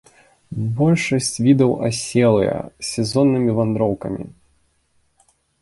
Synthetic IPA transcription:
bɔlʲʂɐsʲt͡sʲvʲid̪ɐwɐ̰sʲɛlˠɨ̰jɐ̰sʲɛzɔnːɨmʲivand̪ɾɔwkɐ̰mʲḭ

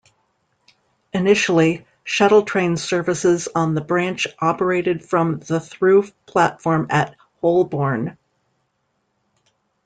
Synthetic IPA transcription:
ɨnɪʃl̩ˠi | ʃæɾl̩ˠtʰɹ̥ẽɪ̃nsɜ˞vɨsɪzn̩ðəbɹæ̃nt͡ʃʔɑpə˞eɪɾɨd̥fɹʌ̃mðəθɹʉfpʰl̥ætfɔɹmɨt̚ | hoʊlˠbɔɹn

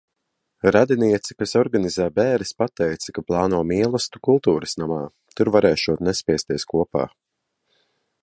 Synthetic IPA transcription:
ɾad̪iniɛt̪si̥kasɔɾɡanizæːbɛːɾispat̪ɛjt̪sḁkaplˠɑːnuɔmiɛlˠɐst̪u̥kulˠt̪uːɾəsnamaː | t̪uɾvaɾɛːʃuɔt̪nɛspʲiɛst̪iɛskuɔpa̰ː

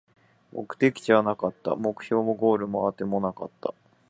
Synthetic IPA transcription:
mo̞̰kɯ̟̥t̪e̞kʲi̥t͡ɕiβanakat̪ːa̰mo̞kɯ̟̥ço̞ːmo̞ɡo̞ːɾɯ̟mo̞at̪e̞mo̞naka̰t̪ːa̰

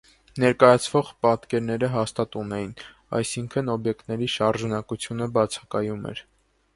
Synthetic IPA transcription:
nɛɾkɑjɑt͡sʰvɔʁpɑt̪kɛɾnɛɾəɦɑst̪ɑt̪unɛjin | ɑ̰jsiŋkʰənɔbjɛkt̪nɛɾiʃɑɾʒɑnɑkut͡sʰjunəbɑt͡sʰɑ̥kɑjumɛ̰ɾ

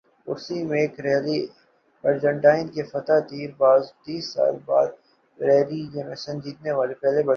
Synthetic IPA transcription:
ʊ̰ɾsimẽːkɾɛːli | ɐɾd͡ʒə̃ɳʈaːɪnkefɐt̪ad̪iːɾbaːzt̪iːsːa̰ːlba̰ːd̪̚ | ɾɛːlijemẽsɐ̃nd͡ʒiːt̪neʋaːlepɛɦlebɐ

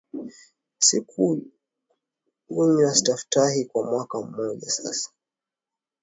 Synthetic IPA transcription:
sikʰu | uɲasi̥tafu̥tahikwamwakam̩mɔʄa̰sa̰sḁ

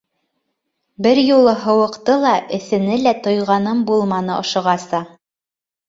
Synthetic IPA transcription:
bɘɾjulˠɤɦɤ̆wɤ̆qt̪ɤlˠɑʔɘ̆θɘ̆nɘlæt̪ŏjʁɑnɤmbulˠmɑnɤʔŏʃɤ̆ʁɑsɑ

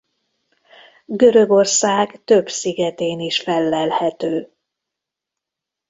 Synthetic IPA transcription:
ɡø̞ɾø̞ɡo̞rsaːɡt̪ø̞bsiɡɛt̪eːniʃfɛlːɛlhɛt̪øː

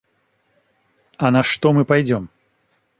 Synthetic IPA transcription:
ɐnɐʂt̪ɔmɨpajd͡zʲɔm

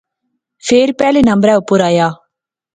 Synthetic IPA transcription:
fʰeːɾpɛːlenə̃mbɾɛːʊpːʊɾaːjaː

